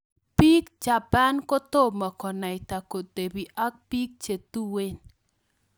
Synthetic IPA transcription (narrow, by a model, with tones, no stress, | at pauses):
pi˦kt͡ʃa˨pa˦nko˦t̪o˦ma˨kɔ˨na˨jt̪a˨ko˨t̪e˨bi˨ʔa˦k̚pi˦k̚t͡ʃe˨t̪u˦we˦n